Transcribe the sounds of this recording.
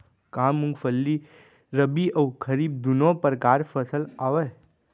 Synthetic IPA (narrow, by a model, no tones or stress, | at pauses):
kãːmːʊ̃ŋɡfʰəlːi | ɾəbiəwkʰəɾiːb̚d̪unopəɾkaːɾfʰəsəlaʋe